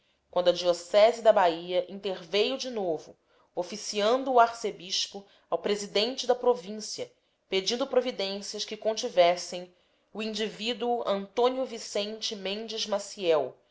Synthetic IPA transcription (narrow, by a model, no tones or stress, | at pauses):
kw̃nd̪ʊɐd͡ʒiosɛzɪd̪ɐbaiɐʔĩnt̪eɾvejʊd͡ʒinovʊ | ofisiɐ̃nd̪ʊːaɾsebiʃpʊ | awpɾezid̪ẽnt͡ʃɪd̪ɐpɾovĩsiɐ | ped͡ʒĩnd̪ʊpɾovid̪ẽsiɐʃkɪkõnt͡ʃivɛsẽj̃ | uĩnd͡ʒivid̪uʊʔɐ̃nt̪õniʊvisẽnt͡ʃɪmẽnd͡ʒɪzmasiɛw